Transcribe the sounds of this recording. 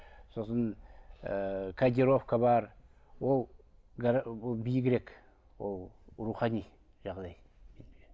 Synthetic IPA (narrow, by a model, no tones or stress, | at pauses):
so̞sən | kʰad̪ʲiɾofkabɑɾ | wolˠɡaɾb̪ˠbijɡʲeɾe̞k | wolˠɾuχɑni | ʒɑʁd̪ɑj | mene